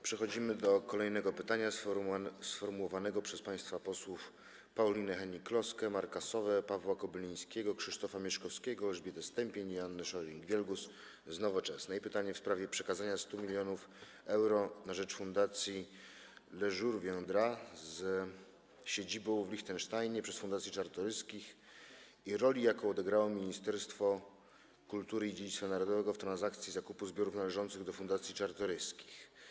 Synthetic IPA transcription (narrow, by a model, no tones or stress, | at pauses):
pʂɛxɔd͡ʑimɘd̪ɔkɔlɛjnɛɡɔpɘt̪aɲa | sfɔɾmuwɔvanɛɡɔpʂɛspaj̃st̪fapɔswuf | pawlʲinɘxɛɲiklɔskɛmaɾkasɔvɛpavwakɔbɘlʲij̃skʲeɡɔkʂɘʂt̪ɔfamʲjɛʂkɔfskʲɛɡɔlɛʐbʲjɛd̪ɛst̪ɛmpʲeɲianːɘʂɔɾʲiŋɡvʲjɛlɡus | znɔvɔt͡ʂɛsnɛipɘt̪aɲɛfspɾavʲjɛpʂɛkazaɲast̪umʲilʲjɔnuf | ɛwɾɔnaʐɛt͡ʂfund̪at̪sʲji | lɛʐuɾvʲjɔ̃nd̪ɾaz | ɕed͡ʑibɔ̃w̃vlʲixt̪ɛnʂt̪ajɲɛpʂɛsfund̪at̪sjit͡ʂaɾt̪ɔɾɘskʲix | iɾɔlʲijakɔɔd̪ɛɡɾawɔmʲiɲist̪ɛɾst̪fɔ | kult̪uɾɘid͡ʑed͡ʑit̪fanaɾɔd̪ɔvɛɡɔft̪ɾanzakt̪sʲjizakupuzbʲjɔɾufnalɛʐɔnt̪sɘɣd̪ɔfund̪at̪sʲjit͡ʂaɾt̪ɔɾɘskʲi̥x